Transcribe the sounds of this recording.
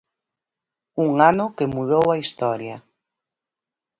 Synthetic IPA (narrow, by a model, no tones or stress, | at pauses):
uŋanʊkemuð̞owaist̪ɔɾjɐ